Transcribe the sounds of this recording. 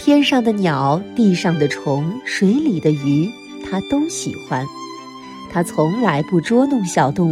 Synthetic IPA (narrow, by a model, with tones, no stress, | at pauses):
t̪ʰjɛ˥nʂɑ˥˩ŋd̪ə˩njɑ˨˩˦ʊt̪i˥˧ʂɑ˥˩ŋd̪ə˩ʈ͡ʂʰʊ˧˥ŋʂwe˧˥ɪli˨˩d̪ə˦y˧˥ | t̪ʰa˥t̪o˥ʊɕḭ˨˩xwa˥n | t̪ʰa˥t͡sʰʊ˧˥ŋla˧˥ɪpu˥˩ʈ͡ʂwɔ˥nʊ˥˩ŋɕjɑ˨˩ʊt̪ʊ˥˩ŋ